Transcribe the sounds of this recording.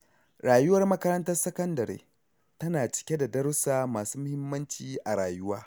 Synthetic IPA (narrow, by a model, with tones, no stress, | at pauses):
ɾaː˨jʊ˦wɐ˦rmɐ˦kɐ˦ɾɐ˦ntɐ˦rsɐ˦kɐ˦ndɐ˨ɾḛː˦ | tɐ˦naː˨t͡ʃɪ̥˨kʲe˦da˨dɐ˦ɾʊ˦saː˦maː˨suː˦mʊ˦hɪ˦mːɐ˦nt͡ʃiː˨ʔa˨ɽaː˨jʊ˦waː˦